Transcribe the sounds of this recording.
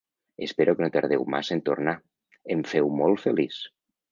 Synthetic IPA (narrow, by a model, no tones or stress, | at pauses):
espeɾokənot̪əɾð̞ewma̰zent̪orna | eɱfewmolˠtfelis